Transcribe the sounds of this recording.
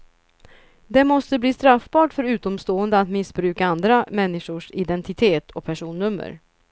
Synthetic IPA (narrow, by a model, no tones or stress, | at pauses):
d̪ɛmɔst̪əbliːst̪ɾafbɑːʈfœɾʉ̟ːt̪ɔmst̪oːənd̪əat̪mɪsbɾʉ̟ːkaand̪ɾamɛnːɪʂʊʂɪd̪ɛnt̪ɪt̪ʰeːt̪ʰɔpʰæʂuːnːɵmːə̰ɾ